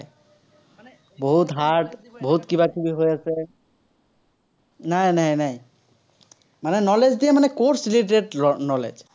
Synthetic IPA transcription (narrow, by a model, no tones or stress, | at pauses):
boɦut̪ɦaʈboɦut̪kibakʰibiɦojasɛ | najnajnaj | manɛnɔled͡ʒdijɛmanɛkoɹsiliʈeʈnɔlḛd͡ʒ